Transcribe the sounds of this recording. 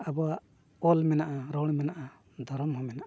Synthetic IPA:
abɔwaʔ | ɔlmɛnaʔaɾɔɽ̃mɛnaʔa | d̪ʱɔɾɔmɦɔmɛnaʔa

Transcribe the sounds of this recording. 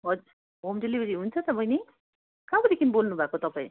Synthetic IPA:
ɦʌd͡zuɾ | ɦomdelibʱʌɾiɦunt͡sʰʌt̪ʌpʌjne | kãbʌɾikinbolnubʱakot̪ʌpaĩ

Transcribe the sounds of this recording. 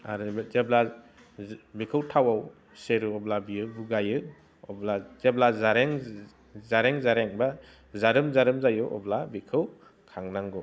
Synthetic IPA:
a̰ɾɯzebla | bikʰɯwtʰawaw | seɾɯɔblabiɯbuɡajɯ | ɔ̰blazeblazaɾeŋ | zaɾeŋzaɾeŋba | zaɾɯmzaɾɯmzajɔʔɔ̰blabikʰɯw | kʰaŋnaŋɡɔ

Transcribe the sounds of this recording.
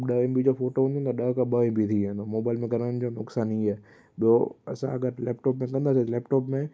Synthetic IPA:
ɗəembid͡ʑofoːʈoɦũnd̪õt̪ɐɗəɦkãɓəĩbʱit̪ʰiɦɛ̃nomoːbaːɪlmẽkɐɾañd͡ʑonʊksaːnĩaː | ɓijoɐsã̰ɐɡəɾlɛːp̚ʈɔːp̬mẽkɐ̃nd̪aːs̬et̪lɛːpʈɔːpmẽ

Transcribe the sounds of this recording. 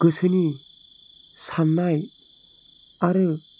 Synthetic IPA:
ɡ̥ɯsɯni | sanːaj | aɾɯ

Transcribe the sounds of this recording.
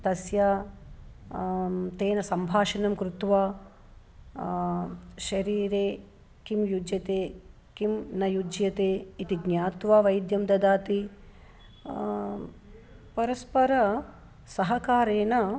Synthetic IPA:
t̪ɐsjaː | t̪eːnɐsɐmbʱaːʃɐnɐmkɾut̪ʋaː | ʃɐɾiːɾeː | kimjud͡ʒjɐt̪eː | kimnɐjud͡ʒjɐt̪eːit̪iɡnjaːt̪ʋaːʋɐjd̪jɐmd̪ɐd̪aːt̪i | pɐɾɐspɐɾɐ | sɐɦɐkaːɾeːnɐ

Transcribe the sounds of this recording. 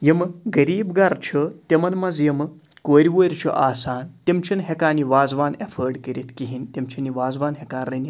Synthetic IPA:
jɐməɡɐɾiːbɡɐɾt͡ʃʰət̪emɐnmɐzjɐmɐ | koːɾʲiʋoɾʲt͡ʃʰo̰ʔaːsaːnt̪ʲemt͡ʃʰɐnɦekaːniʋaːd͡zʋaːnefʰəɾɖkɐɾʲit̪kiɦint̪ʲemt͡ʃʰɐniʋaːd͡zʋaːnɦekaːnrɐn

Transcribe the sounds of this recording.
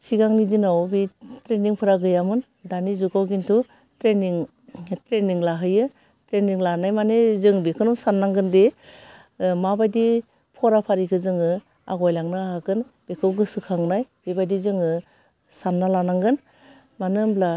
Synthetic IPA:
siɡaŋnidinawbitɾeniŋpʰɯɾaɡɯjamɯn | danizuɡɔwɡintʰu | tɾeniŋ | tɾeniŋlaɦɯjɯ | tɾeniŋlanajmanezɯŋbekʰɯnɔwsanːaŋɡɯnde | mabajdi | pʰɔɾapʰaɾikʰɯzɯŋɯ | a̰ɡɔjlaŋnɯaɦakɯn | bekʰɯwɡɯsɯkʰaŋnajb̥ebajdizɯŋɯ | sanːalanaŋɡɯn | manɯmbla

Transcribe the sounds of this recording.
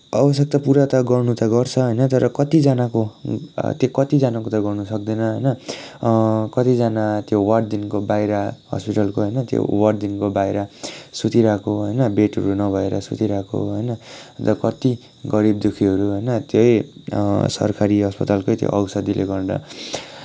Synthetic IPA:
ʌ̰bʌs̬ek̚t̪ʌpuɾat̪ʌɡʌrnut̪ʌɡʌrt͡sʰʌɦʌjnʌt̪ʌɾʌkʌt̪id͡zanako | t̪jekʌt̪id͡zanakot̪ʌɡʌrnusʌk̚d̪ʌnʌɦʌjnʌ | kʌt̪id͡zanat̪jowʌɽd̪inkobajɾahʌ̰spiʈʌlkoɦʌjnʌt̪jo̰wʌʈd̪inkobajɾasut̪iɾakoɦʌjnʌbeʈʌɾunʌbʱʌeɾʌ̰sṵt̪iɾako̰ɦʌjnʌt̪ʌkʌt̪i | ɡʌɾibd̪ukʰiɦʌɾuɦʌjnʌt̪joj | sʌ̰rkʰaɾiɦʌspʌt̪alkojt̪jo̰ʔʌwsʌd̪ilʔḛɡʌrd̪ʌ̰

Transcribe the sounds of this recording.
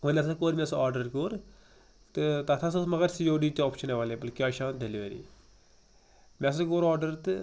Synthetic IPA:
ʋənesakoːɾmɛ̃ːsaːɾɖəɾkoːɾ | t̪t̪at̪ʰasmɐɡəɾsiːoːɖiːt͡ʃ̪ɔːpʃəneʋaːleːbəlkiaːʃãːnd̪eliʋeːɾḭː | mɛ̃s̬akoːɾaːɾɖəɾt̪

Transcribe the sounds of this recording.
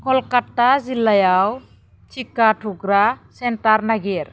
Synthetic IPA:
kʰɔlkatːazilːajaw | t͡ʃikaʈʰuɡɾasɛntaɾnaɡiɾ

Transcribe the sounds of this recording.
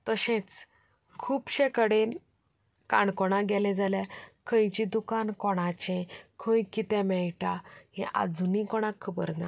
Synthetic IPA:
t̪əɕɛ̃t͡s | kʰuːpɕekəɽen | kaɳkɔɽ̃ãɡɛlɛ̃d͡zaljakʰə̃jt͡ɕid̪ukankɔɽ̃ãt͡ɕɛ̃kʰə̃jkit̪ɛ̃mɛɭʈahɛ̰̃ʔa̰d͡zunikɔɽ̃akʰːəbəɾna̰

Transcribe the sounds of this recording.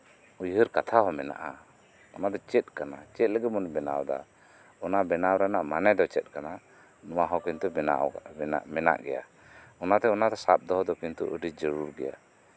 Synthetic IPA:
ujɦəɾkat̪ʰaɦɔmɛna̰ʔa | ɔnad̪ɔt͡ʃɛt̪̚ˀkanat͡ʃɛt̪̚ləɡɛmɔnbɛna̰wd̪a̰ | ɔnabɛnawɾanaʔmanɛd̪ɔt͡ʃɛt̪̚ˀkana | nɔwaɦɔkint̪ṵ | mɛna̰ʔɡɛ̰ja̰ | ɔnat̪ɛɔnad̪ɔsap̚d̪ɔɦɔd̪ɔkint̪uʔəɖid͡ʒəɾuɾɡɛ̰ja̰

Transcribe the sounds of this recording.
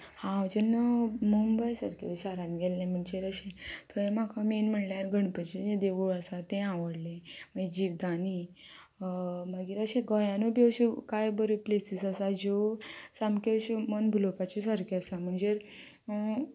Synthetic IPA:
hãd͡ʑenːəmumbəjsəɾkḛɕaɾãnɡɛlːẽm̤əɳd͡ʑeɾəɕẽt̪ʰoẽm̤akʰaminm̤əɽljaɾɡəɳpət͡ɕied̪eʋuɭəsat̪ẽãʋəɽlẽm̤əɳd͡ʑed͡ʑiːʋd̪ani | maɡiːɾəɕẽɡɔjãnubʱiəɕukajbəɾeplesisəsad͡ʑosamkeɕumənbʱulopat͡ɕusəɾkeəsam̤əɳd͡ʑeɾ

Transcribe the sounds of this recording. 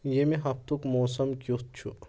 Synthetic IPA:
jemeɦɐft̪ukmoːs̬ɐmkjut̪̚t͡ʃʰu

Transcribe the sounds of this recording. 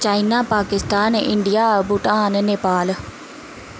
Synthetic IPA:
t͡ʃaːinaːpaːkɪst̪aːnɪ̰ɳɖijaːbuʈãːnneːpaːl

